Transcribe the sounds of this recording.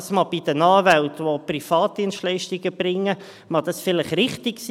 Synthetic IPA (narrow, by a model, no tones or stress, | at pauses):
smɑb̥id̥ənɑːvæltʋoprifɑːt̚d̥iənstlɛɪʃtiɡəb̥ɾɪŋːə | mɑd̥̪ɑsfɪlɪχɾɪχtɪks